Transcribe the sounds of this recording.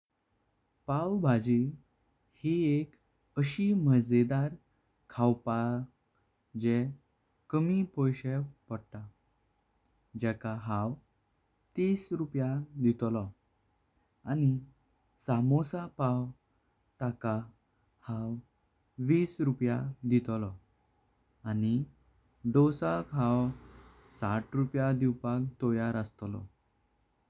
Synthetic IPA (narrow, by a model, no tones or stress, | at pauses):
pawbʱad͡ʑi | hiek | əɕiməd͡zed̪aɾ | kʰawpa | d͡ʑɛ | kəmipojɕewpəɽʈ̪a | d͡ʑɛkaɦãw | t̪iːsɾupjad̪it̪lɔ | ani | samosapaw | t̪aka | hãw | ʋiːsɾupjad̪it̪lɔ | ani | ɖɔsakɦãw | saʈɾupjad̪iwpak̚t̪ɔjaɾəst̪lɔ̰